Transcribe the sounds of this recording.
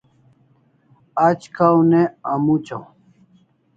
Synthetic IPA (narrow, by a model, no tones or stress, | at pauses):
at͡ɕkʰawneɐmut͡ɕaw